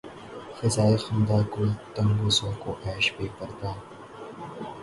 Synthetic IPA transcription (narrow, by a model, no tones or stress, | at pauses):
fɪzaːixɐnd̪aːkoːit̪ɐ̃ŋɡoːsõːkoʔɛːʃpeːpɐɾd̪aː